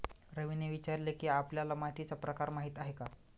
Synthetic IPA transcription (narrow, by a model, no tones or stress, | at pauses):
ɾəʋineʋit͡ɕaɾlekiːapljalamaɦit̪it͡sapɾəkaɾmaɦiːt̪aɦeka